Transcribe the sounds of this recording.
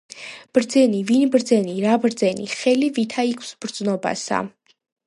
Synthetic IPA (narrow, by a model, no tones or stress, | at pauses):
b̥ɾd̪zɛnivinbɾd̪zɛniɾabɾd̪zɛnḭχɛlivit̪ʰaikʰsb̥ɾd̪znɔba̰sa̰